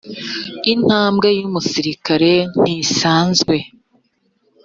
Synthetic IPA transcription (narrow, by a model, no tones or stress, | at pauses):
in̥haːmbɡejumusiɾikaɾe̞n̥isaːnzɡwe̞